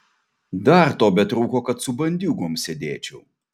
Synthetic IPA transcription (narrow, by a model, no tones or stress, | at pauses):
d̪ɐɾt̪oːbʲɛt̪ɾuːkoːkɐt̪sʊbɐnʲd̪ʲuːɡʊːmsʲɛd̪ʲeːt͡ʃʲʊ